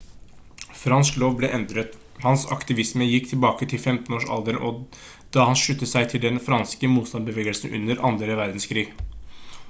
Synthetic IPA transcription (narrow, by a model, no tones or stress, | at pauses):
fɾɑnskloːʋblɛʔɛnd̪ɾət̪ | hɑnsɑ̰kt̪ɪʋɪsməjɪkːt̪ʰɪlbɑːkət̪ʰɪlfɛmt̪n̩oːʂɑ̰ld̪əɾʔɔ | d̪̥ɑhɑnʂʉt̪ːəsæɪt̪ʰɪld̪ɛnfɾɑnskəmuːt̪st̪ɑnbəʋeːɡəlsn̩ʉ̰nːəɾɑ̰nd̪ɾəʋæɾd̪n̩skʰɾiːɡ